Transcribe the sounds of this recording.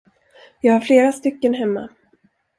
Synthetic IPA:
jɑːɡhaɾfleːɾast̪ʏkːənɦɛmːa̰

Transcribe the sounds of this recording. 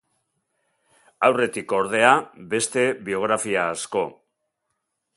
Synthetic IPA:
awre̞t̪iko̞ɾð̞e̞abe̞st̪e̞βio̞ɣ̞ɾafiaːsko̞

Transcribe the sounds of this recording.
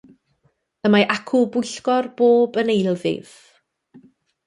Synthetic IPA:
əmaʔakʰʊbʊjɬɡɔrb̥oːbənejlˠvɪ̰v̥

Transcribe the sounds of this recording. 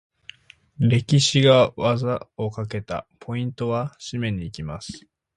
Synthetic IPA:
ɾe̞kʲiɕiɡaβazao̞kake̞t̪a̰pʰo̞ĩnt̪o̞βaɕimẽ̞ɲ̟ːiːkʲimasɨ̥

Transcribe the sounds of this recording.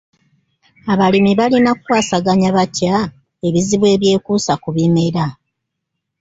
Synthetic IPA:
aβalimiβalinakukwaːsaɡaɲaβaca | e̞βiziβwe̞ːβje̞ːkuːsakuβimeɾa

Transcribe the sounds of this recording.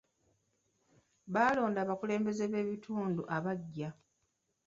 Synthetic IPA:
βaːlo̞ːndaːβakule̞ːmbe̞ze̞βe̞ːβitʰuːnduʔaβaɟːa

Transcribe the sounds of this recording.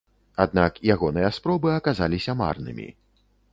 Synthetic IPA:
ad̪̚nakjaɣɔnɨjɐspɾɔbɨɐkazalʲisʲɐma̰rnɨ̰mʲḭ

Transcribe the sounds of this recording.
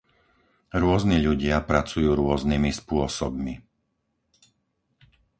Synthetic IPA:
ɾʊɔzniʎuɟɪapɾat͡sujuːɾʊɔznimispʊɔsɔbmi

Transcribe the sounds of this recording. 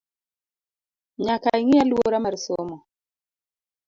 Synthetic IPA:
ɲakaiŋɪalwoɾamaɾsomɔ

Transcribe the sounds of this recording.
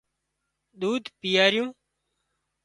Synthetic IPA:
ɗ̪uːd̪pijaːɾjũː

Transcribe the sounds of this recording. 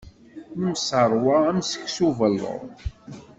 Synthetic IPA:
əmsəɾˤwaæmsə̥çsuvəlːə̰ð

